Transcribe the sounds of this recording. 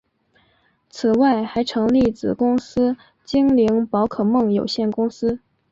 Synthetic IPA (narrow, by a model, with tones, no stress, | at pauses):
t͡sʰɹ̩˨˩wa˥˩ɪxa˧˥ɪʈ͡ʂʰɤ˧˥ŋli˥˩t͡sɹ̩˨˩kʊ˥ŋsɹ̩˥ | t͡ɕi˥ŋli˧˥ŋpɑ˧˥ʊkʰɤ˨˩mɤ˥˩ŋjo˨˩ʊɕjɛ˥˩nkʊ˥ŋsɹ̩˥